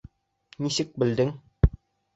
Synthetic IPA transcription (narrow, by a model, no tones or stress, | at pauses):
nisɘk̚bɘ̆ld̪ɘŋ